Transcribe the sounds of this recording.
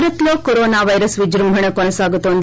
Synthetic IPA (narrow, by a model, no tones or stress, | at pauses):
ɾɐt̪loːkɔɾoːnaːʋɐjɾɐsʋid͡ʒɾɐmbʱɐɳekɔnɐsaːɡut̪ːoːnd̪